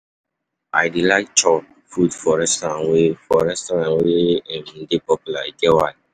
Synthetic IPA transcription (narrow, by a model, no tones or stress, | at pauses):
a̰jdilajt͡ʃɔ | fudfɔɹɛstɔɾãnwefɔɹɛstɔɾãnweɛ̃nĩndepɔpulaiɡɛwan